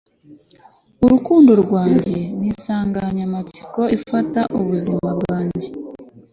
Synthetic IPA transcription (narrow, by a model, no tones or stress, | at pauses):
uɾukuːndo̞ɾɡwaːɲɟ̞e̞nisaːŋɡaɲamat͡si̥ko̞ifataʔuβuzimabɡaːɲɟe̞